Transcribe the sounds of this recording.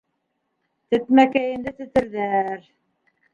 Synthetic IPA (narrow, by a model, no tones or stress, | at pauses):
t̪ɘ̆t̪mækæjɘ̆nd̪ɘt̪ɘ̆t̪ɘ̆ɾðæɾ